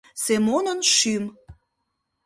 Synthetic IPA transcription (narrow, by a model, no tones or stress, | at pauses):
semonənʃym